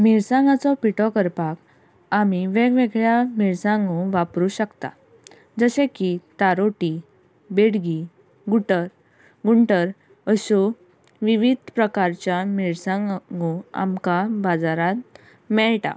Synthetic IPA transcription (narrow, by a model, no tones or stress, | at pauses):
miɾsãŋɡat͡sɔpiʈɔkəɾpak | amiʋeɡʋeɡɭjamiɭsãŋɡõʋapɾuːɕəkt̪a̰ | d͡zəɕẽkit̪aɾoʈi | beɽɡi | ɡuʈəɾ | ɡuɳʈəɾ | əɕo | ʋiʋid̪ʱpɾəkaɾt͡ɕjamiɭsãŋŋɡõa̰mkabad͡zaɾat̪ | mɛɭʈa̰